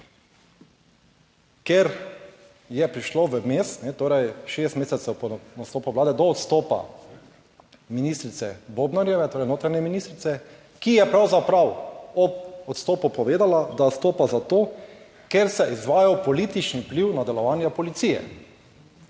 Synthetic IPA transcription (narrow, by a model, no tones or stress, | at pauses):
keɾ | jɛpɾiʃloʋəmeːst̪nɛt̪oːɾɛjʃest̪meːsɛt̪sɛwpɔnast̪oːpɔʋlaːd̪ɛd̪ɔɔt̪st̪oːpa̰ | minist̪ɾit̪sɛbobnaɾjɛʋɛt̪oːɾɛjnoːt̪ɾanjɛminiːst̪ɾit̪sɛ | kijɛpɾawzapɾawɔpɔt̪st̪oːpupɔʋeːd̪alad̪at̪st̪oːpazat̪oː | keɾsɛʔizʋaːjawpɔliːt̪it͡ʃnipliwnad̪ɛlɔʋaːnjapɔlit̪siːjɛ̰